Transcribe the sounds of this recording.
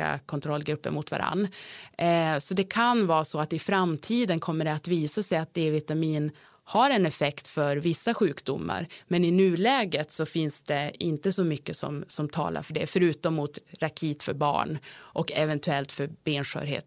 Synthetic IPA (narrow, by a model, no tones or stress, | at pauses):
a̰kʰɔnt̪ʰɾɔlːɡɾɵpːə̰ɾmʊt̪va̰ɾa̰nː | sɔd̪ɛkʰanvɑːsɔat̪ɪfɾamt̪ʰiːd̪ənkʰɔmːəɖɛat̪viːsasɛjat̪̚eːvɪt̪amiːn | haɾɛnɛfɛkt̪fœɾvɪsːaɧʉ̟ːkd̪ʊmːa̰ɾmɛnɪnʉ̟ːlɛːɡət̪sɔfɪnsd̪̥ɛɪnt̪əsɔmʏkːəsɔ̰msɔmt̪ʰɑ̰ːlʔa̰ɾfœɖɛ̰fœɾʉ̟ːt̪ɔmːʊt̪ɾakʰiːt̪fœɾbɑ̰ːɳʔɔkɛvɛnt̪ʰʉɛlt̪fœɾbeːnʂœ̰ːɾhḛːt̪